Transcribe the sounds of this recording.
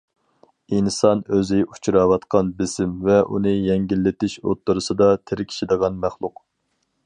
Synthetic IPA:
insɑnøzɪu̥t͡ʃʰɾɑwɑt̪qʰɑnbɪzɪmvɛʔṵnɨjɛŋɡʲilːɪt̪ɪʃo̰t̪ːuɾɨsɨd̪ɑt̪ʰɪɾɪkʲʰi̥ʃid̪əʁɑnmæχlˠʊq

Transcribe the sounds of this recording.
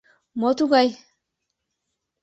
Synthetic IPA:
mɔt̪uɡaj

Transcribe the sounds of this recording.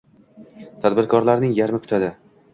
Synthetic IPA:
t̪ʰad̪bɪɾkʰɒɾlaɾnɪŋjaɾmɪkʰʊ̥t̪ʰad̪ɪ

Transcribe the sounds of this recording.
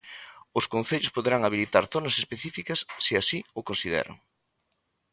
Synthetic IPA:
ʊskon̟θeʎʊspoðeɾaŋaβ̞ilit̪aɾθonɐsespeθifikɐsːeasiʊkõnsiðɛ̰ɾo̰ŋ

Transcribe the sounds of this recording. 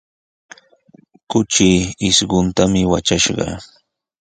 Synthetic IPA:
kʊt͡ʃiɪsɢʊnt̪amɪwa̰t͡ʃaʃɢɑ̰

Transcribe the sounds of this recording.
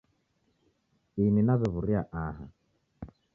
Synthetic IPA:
ininaβɛβuɾiaʔaɦa̰

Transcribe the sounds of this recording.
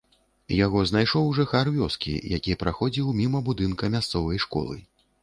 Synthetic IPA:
jaɣɔznajʂɔwʐɨxarvʲɔskʲḭjakʲiɛpɾaxɔd͡zʲiwmʲimɐbud̪ɨnkɐmʲast̪sɔvɐjʂkɔ̰lˠɨ̰

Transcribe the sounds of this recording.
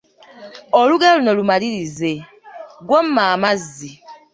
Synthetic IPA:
ɔluɡɛlunɔlumaɾiɾize | ɡwɔmmːaːmazi

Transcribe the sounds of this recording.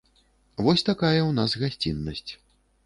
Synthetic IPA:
vɔsʲt̪akajɐwnazɣasʲt͡sʲinːɐsʲt͡sʲ

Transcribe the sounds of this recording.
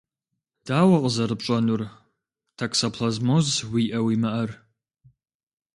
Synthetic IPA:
d̥aːwɐqʼəzɐɾɨpɕʼɐnur | tʰaksɐpʰɬɐzmozwiʔɐwimɨʔɐr

